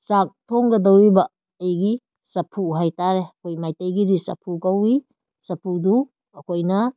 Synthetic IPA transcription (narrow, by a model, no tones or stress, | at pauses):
sak̚tʰoŋɡɐdɐwɾibɐː | jɡi | sɐpʰuɦajtaɾeɐkʰojmajtejɡidisɐ̰pʰukɐwi | sɐpʰudu | ɐkojnɐ